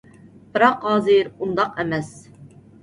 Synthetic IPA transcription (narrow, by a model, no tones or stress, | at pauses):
b̥ɨɾɑqɑːzɨɾund̪ɑqɛmɛs